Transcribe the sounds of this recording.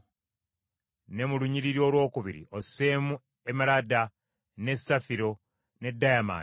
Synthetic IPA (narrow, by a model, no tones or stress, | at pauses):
ne̞muluɲiɾiɾjo̞ːlwo̞ːkuβiɾḭʔo̞semu | emalada | ne̞safiɾo̞ | ne̞dːajama̰